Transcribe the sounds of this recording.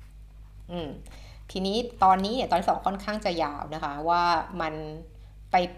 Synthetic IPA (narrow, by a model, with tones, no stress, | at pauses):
ʔɯː˨˩m | t̪ʰiː˧niː˦˥t̪ɔː˧nːiː˦˥ni˥˩t̪ɔː˧nʰi˦˥sɔ̰ː˨˩˦ŋkʰɔ˥˩nkʰaː˥˩ŋt͡ɕa˨˩jaː˧˩wna˦˥kʰa˦˥waː˥˩ma˧n | pa˧j